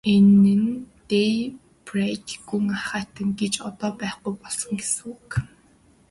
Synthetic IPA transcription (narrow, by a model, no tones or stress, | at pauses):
enːɘ̆ŋt̪ej | pretɡuŋaχaːt̪ə̆ŋɡet͡ɕɔt̪ɔːpæːχɡujpɔɮsɞ̆ŋɡes̆uk